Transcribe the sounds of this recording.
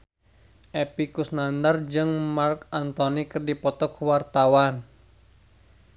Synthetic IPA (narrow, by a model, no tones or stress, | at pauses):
ʔɛpikusnandard͡ʒɨŋmarkant̪ɔnikɨrdipɔt̪ɔkwart̪awan